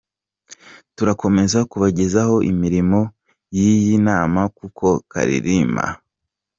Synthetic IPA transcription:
tuɾako̞me̞zakuβaɟe̞zaho̞ʔimiɾimo̞ | jijinaːmakukʰo̞ka̰ɾḭɾiːma̰

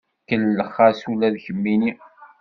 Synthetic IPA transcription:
kəlːəχːasulæðçəmːini

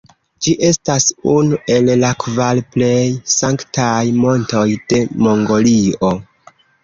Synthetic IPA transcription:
d͡ʒiʔe̞stasunuʔe̞llakvalple̞jsaŋktajmo̞nto̞jd̥e̞mo̞ŋɡo̞lio̞

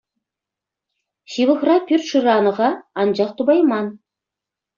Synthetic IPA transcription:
ɕiʋɤ̆χrɑpʲyrʲt̪ʂɯɾɑnɤ̆ʁɑɑnd͡ʑɑχt̪ubɑjmɑn

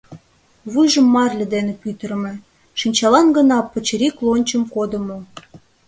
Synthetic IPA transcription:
βujʒə̆mːɑrʲlʲĕd̪enĕpyt̪əɾə̆mĕ | ʃinʲt͡ɕɑlɑnɡə̆nɑpːə̆t͡ɕəɾiklˠonʲt͡ɕəmkod̪ə̆mo

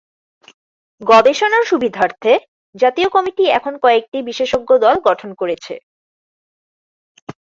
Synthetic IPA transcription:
ɡɔd̪eʃonaɾʃubid̪ʱaɾt̪ʰe | d͡ʑat̪iokɔmiʈiɛ̰kʰonkɔek̚ʈibiʃeʃoɡːod̪ɔlɡɔʈʰonkoɾet͡ɕʰḛ

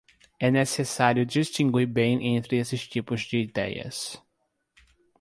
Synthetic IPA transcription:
ɛnesesaɾjʊd͡ʒist͡ʃĩɡwiɾbẽj̃ʔẽnt̪ɾɪesɪst͡ʃipʊzd͡ʒɪid̪ɛ̰jɐ̰s

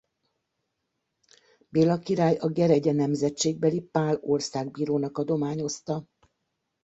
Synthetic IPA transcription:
beːlɒkiɾaːjɒɡɛɾɛɟɛnɛmzɛtt͡ʃːeːɡ̚bɛlipaːlo̞rsaːɡ̚biːɾoːnɒkɒd̪o̞maːɲo̞st̪ɒ

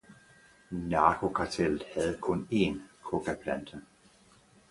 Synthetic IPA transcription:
nɑ̈ːkʰo̝kʰɑ̈t͡sʰel̰ð̩ˠhæð̞̩ˠkʰɔ̽ne̝nkʰoɡ̥æpʰlænd̥ə

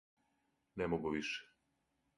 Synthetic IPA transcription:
nɛmoɡuʋiʃɛ̥

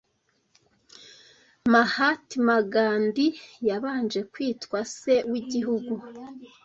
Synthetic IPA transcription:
mahatimaɡaːndijaβaːnd͡ʒe̞kwiːtkwase̞wiɟiɦuɡu

